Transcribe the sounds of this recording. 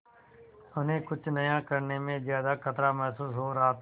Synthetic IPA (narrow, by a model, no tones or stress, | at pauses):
ʊnẽːkʊt͡ʃʰnəjãːkəɾneːmẽːzjaːd̪aːkʰət̪ɾaːmɛɦsuːsɦɦoːɾaaːt̪ʰ